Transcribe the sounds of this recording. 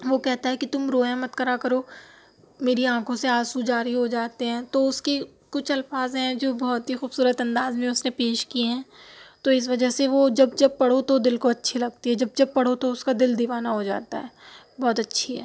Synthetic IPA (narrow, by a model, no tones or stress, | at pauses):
ʋokɛɦt̪aɦɛkit̪ʊmɾoːjãmɐt̪kəɾakɐɾoː | meːɾiãːkʰõseaːsud͡ʒaːɾiɦod͡ʒaːt̪eɦɛ̃ːt̪oʊske | kʊt͡ʃʰɐlfaːzɦɛ̃d͡ʒoːbɔɦt̪ɦixuːbsuːɾət̪ɐ̃nd̪aːzmẽʊsnepeːʃkieɦɛ̃ːt̪oɪs̬ʋɐd͡ʒəɦseʋod͡ʒɐbd͡ʒɐb̚pɐɽ̤ot̪od̪ɪlkoɐtːʃʰilɐɡ̚t̪iɦɛd͡ʒɐb̚d͡ʒɐb̚pɐɽ̤ot̪oʊskad̪ɪld̪ɪʋaːnaɦod͡ʒa̰ːt̪a̰ɦɛː | bɔːt̪ɐtːʃʰiɦɛ̰ː